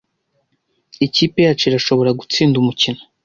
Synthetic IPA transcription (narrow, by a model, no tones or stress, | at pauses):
iciːpe̞jat͡ʃiɾaʃo̞βo̞ɾaɡut͡siːndumucino